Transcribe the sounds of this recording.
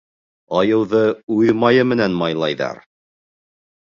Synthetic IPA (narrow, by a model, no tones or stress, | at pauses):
ɑjɤ̆wðɤuðmɑjɤmɘ̆nænmɑjlˠɑjðɑ̰ɾ